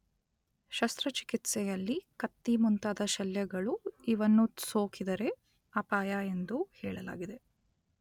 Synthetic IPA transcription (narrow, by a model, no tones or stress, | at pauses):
ʃɐst̪ɾɐt͡ʃi̥kit̪sɛjɐlːikɐt̪ːimunt̪ad̪ɐʃɐljɐɡɐɭuiʋɐnːusoːkid̪ɐɾe̞ | ɐpaːjae̞nd̪uhɛːɭɐla̰ːɡid̪e̞